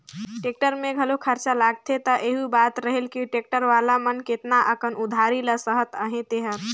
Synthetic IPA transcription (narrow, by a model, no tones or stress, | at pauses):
ʈek̚ʈəɾmẽɡʱəlokʰəɾt͡ʃalaɡ̚t̪ʰet̪əʔeɦubat̪ɾəɦelkiʈek̚ʈəɾʋalamənket̪naʔəkʰənud̪ʱaɾiləsəɦət̪əɦẽt̪eɦət̪